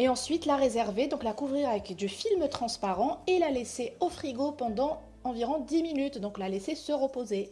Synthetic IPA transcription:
eɑ̃sɥit̪laʁezɛʁved̪ɔ̃klakuvʁiʁavɛkd̪yfilmt̪χɑ̃spaʁɑ̃elaleseofχiɡopɑ̃d̪ɑ̃ | ɑ̃viʁɔ̃d̪iminyt̪d̪ɔ̃klalesesəʁəpoze

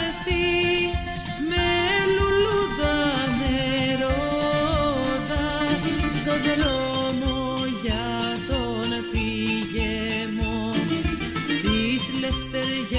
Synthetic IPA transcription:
eθi | meluluðɐneɾo | ðɐ | d̪oðeðo | mo | ʝɐ | ðo | nepiʝe | mo | isleft̪eɾʝ

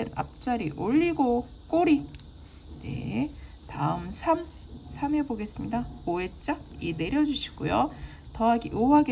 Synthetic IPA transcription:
enna̰p̚t͡ɕ͈aɾiʔoʎːiɡo | k͈oɾi | ne̞̰ | taɯmsʰam | sʰame̞boɡe̞s͈ɯmɲidaoe̞t͡ɕ͈ak̚ine̞ɾjʌd͡ʑuɕʰi̥ɡ̥ojo | tʌɦaɡiʔoaɡe

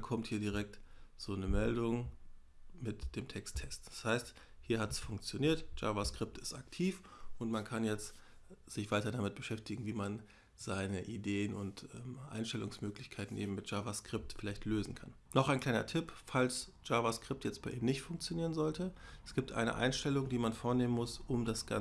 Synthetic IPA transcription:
kʰɔmthiːɐdiːʁ̞ɛk̚tz̥oːnəmɛldʊŋ | mɪtd̥eːmtʰɛkstʰːɛstd̥ḁshaɪst | hiːɐhatsfʊŋk̚t͡sjoniːɐtʒ̥a̰ːvaskʁ̥ɪp̚tɪ̥staktʰiːfʔʊntmankʰanjɛt͡stz̥ɪçv̥aɪtɐdamɪt̚b̥əʃɛftɪɡŋ̩viːman | z̥aɪnəʔideːənʊntʔɛːmʔa̰ɪnʃtɛlʊŋsmøːklɪçkʰaɪtn̩ʔḛːbm̩mɪt̚ʒ̥aːvaskʁ̥ɪp̚tfɪlaɪçtløːzn̩kʰa̰n | nɔχaɪnklaɪnɐ̰tʰɪpfalsʒ̥aːvaskʁ̥ɪptjɛt͡st̚b̥aɪʔiːmnɪçtfʊŋk̚t͡sjoniːʁənzɔltəɛsɡ̥iːp̚tʰʔa̰ɪnə̰ʔa̰ɪnʃtɛlʊŋdiːmanfoːɐneːmənmʊsʔʊmdasɡ̥a̰

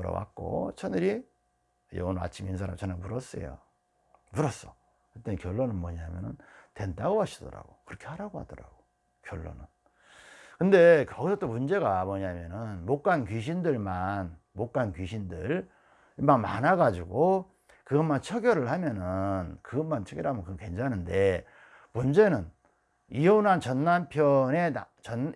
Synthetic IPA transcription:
ɯɾʌ̰wa̰k̚k͈o̰t͡ɕʰʌnɯɾi | jʌ̰ŋʌna̰t͡ɕʰiminns̬ʰaɾa̰mt͡ɕʰʌnenmuɾʌs͈ḛjo̰ | muɾʌs͈ʌ | ɯt͈enkjʌɭːonɯnmʌɲamjʌnɯntwe̞ndaɡoɦaɕʰidʌ̰ɾa̰ɡokɯɾʌkʰe̞haɾaɡohadʌɾa̰ɡo | kjʌɭːo̰nɯn | kɯnde̞kʌɡisʰʌt͈omund͡ʑe̞ɡamʌɲamjʌnɯnmok͈ankiɕ̬ʰindɯɭman | mok͈ankɥiɕʰindɯɭ | imaŋma̰naɡad͡ʑuɡo | kɯɡʌnmant͡ɕʰʌɡjʌɾɯɭhamjʌnɯnkɯɡʌnmant͡ɕʰʌɡjʌɯhamʌnkɯɡʌke̞nd͡ʑʰanɯnde̞ | mund͡ʑe̞nɯn | ionant͡ɕʌnːampʰjʌne̞a | t͡ɕʌn

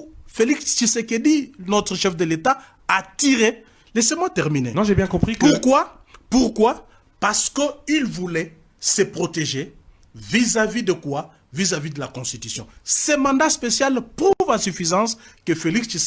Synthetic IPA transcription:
felikst͡ʃiseked̪inɔt̪χəʃɛfd̪əlet̪a | at̪iʁe | lɛsemwat̪ɛʁminḛnɔ̃ʒebjɛ̃kɔ̃pχipuʁkwa | puʁkwa | paʁsə̥kəilvulɛ | səpχɔt̪eʒe | vizavid̪əkwa | vizavid̪əlakɔ̃st̪it̪ysjɔ̰̃semɑ̃d̪aspesjalpʁuvãsyfizɑ̃skəfelikst͡ʃis

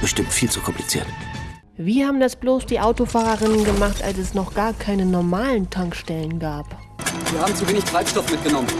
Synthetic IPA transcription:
b̥əʃtɪmtfiːlt͡sukʰɔmpʰlit͡sḭːʁn | viːhaːbm̩dasb̥loːsd̥iːʔaʊtofaːʁɐʁɪnənɡəmaχtʔa̰lsɛsnɔχɡ̥aːɐkʰaɪnənɔɐmaːləntʰaŋkʃtɛlənɡaːp | viːɐhaːbm̩t͡suveːnɪçtʁ̥aɪpʃtɔfmɪt̚ɡ̥ənɔmən

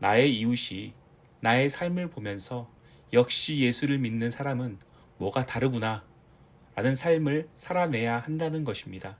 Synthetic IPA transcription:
nae̞iuɕʰi | nae̞sʰaɭmɯɭpomjʌnsʰʌ | jʌk̚ɕ͈ije̞sʰuɾɯɭminːɯnsʰaɾamɯn | mwʌɡataɾɯɡuna | ɾanɯnsʰaɭmɯɭsʰaɾanɦe̞jahandanɯnɡʌɕʰimɲida

